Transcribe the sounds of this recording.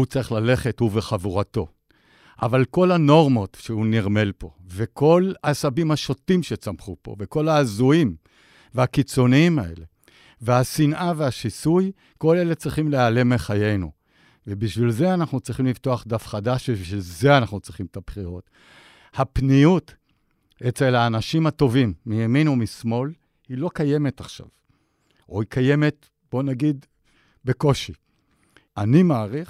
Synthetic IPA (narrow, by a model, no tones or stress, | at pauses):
ut͡saʁiχlale̞χethuveχavuʁato̞ | ʔa̰valko̞lano̞ʁmo̞tʃehuniʁme̞lpo̞̰veko̞lasabimhaʃo̞timʃet͡samχupo̞̰veko̞laːzuim | veakit͡so̞niimae̞̰le̞ | veasinʔave̞haʃisuj | ko̞le̞let͡sʁiχimleale̞meχaje̞jnṵ | vebiʃvilze̞anaχnut͡sʁiχimlivto̞aχd̪afχadaʃbiiʃvilze̞anaχnut͡sʁiχimet̪abχiʁo̞t | hapnijut | et͡se̞lhaːnaʃimhato̞vimːijaminomismo̞l | hilo̞kaje̞me̞taχʃa̰v | ʔohikaje̞me̞t | b̥o̞naɡid̪ | be̞ko̞ʃi | animaːʁiχ